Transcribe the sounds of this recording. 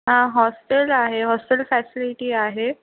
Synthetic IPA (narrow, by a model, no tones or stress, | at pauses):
ɦãɦɔsʈəlaɦeɦɔsʈəlfæsiliʈiːaɦe